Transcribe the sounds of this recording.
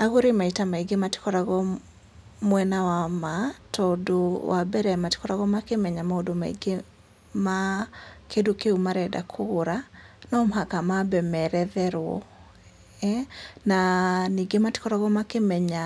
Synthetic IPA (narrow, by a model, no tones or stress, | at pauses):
aɣoɾemaitamaiɡemati̥kɔɾaɣɔ | mwɛnawamatɔodowabɛɾɛmati̥kɔɾaɣɔmakemɛɲamaodomaḭɡe | makʰedokeumaɾɛda̰kʰoɾanɔmɦakamabɛmɛɾɛðɛɾwɔ̰ | ɛnaniɡemati̥kɔɾaɣɔmakemɛɲa